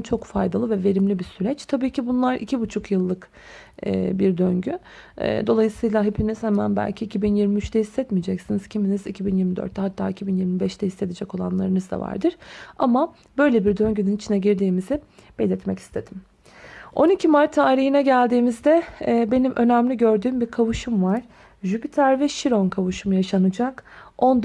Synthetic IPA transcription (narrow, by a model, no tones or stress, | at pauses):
t͡ʃʰo̞kfajd̪alˠɯvɛve̞ɾimlʲibisyɾɛt͡ʃt̪ʰabiːcibunlˠaɾʔḭcʰibut͡ʃʰukʰjɯlˠːɯkː | biɾd̪øɲɟy̰ː | d̪o̞lˠajɯsɯjlˠaɦepʰiniz̥hɛmæ̰nbæ̰lʲcʰiːcʰibinjiɾmiyt͡ʃt̪ʰɛhisːɛt̪mijd͡ʒɛcsiniz̥cʰiminizicʰibinjiɾmid̪ø̰ɾt̪ːɛɦat̪ʰːa̰ːicʰibinjiɾmibɛʃt̪ɛhise̞d̪ed͡ʒɛko̞lˠa̰nlˠa̰ɾɯnɯzd̪a̰va̰ɾd̪ɯɾ̥ama | bø̞jlʲebiɾd̪ø̞ɲɟynynit͡ʃʰinɛɟiɾd̪iːmizɪb̥ɛlʲɛt̪mɛci̥st̪ʰed̪̥im | o̞nicʰimaɾt̪ʰːaːɾihinɛɟælʲd̪iːmizd̪ɛbe̞nimʔø̞næmlʲiɟø̞ɾd̪yːmbiɾkʰavuʃumvaɾ̥ | ʒypit̪ʰæɾvɛʃiɾo̞nkʰavuʃumjaʃanɯd͡ʒako̞nd̪